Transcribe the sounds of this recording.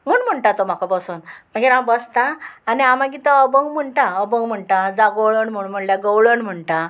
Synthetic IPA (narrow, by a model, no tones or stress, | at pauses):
m̤uːɳm̤əɳʈat̪om̤akabəsuːnm̤əɡeɾambəst̪ãːniamãɡit̪əəbəwm̤əɳʈãəbə̃wm̤əɳʈãd͡zaɡəwɭənm̤uɳm̤əɳljaɡəwɭənm̤əɳʈa